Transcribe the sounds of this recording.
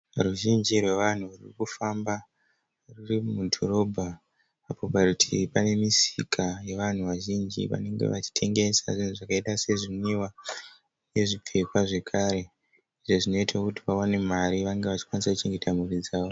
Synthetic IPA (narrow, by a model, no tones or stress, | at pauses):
ruʒind͡ʒirwe̞ʋan̤uuririkufamba | rurimudʱo̞ɾo̞bʱa | apopautʰipane̞misikʰaje̞ʋan̤uʋaʒind͡ʒḭʋa̰ne̞ŋɡe̞̰ʋat͡ʃi̥tʰe̞ŋɡe̞sa̰ʐin̤uʐakaeɗase̞ʐiɲiwa | ne̞ʐip͡fe̞kwaʐe̞kʰaːɾe̞ | iʐo̞ʐino̞itakutiʋawane̞m̤aɾiʋaŋɡeʋat͡ʃi̥kwanisaku̥t͡ʃe̞ŋɡe̞tʰamurid͡zaːʋo